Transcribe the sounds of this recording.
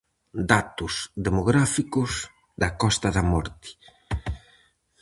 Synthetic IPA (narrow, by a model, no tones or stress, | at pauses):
d̪at̪uzðemoɣɾafikuz | d̪akɔst̪aðamɔɾt̪i̥